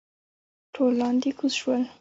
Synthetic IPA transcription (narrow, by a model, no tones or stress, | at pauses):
ʈʰolɑ̃nd̪ikʰuʃwəl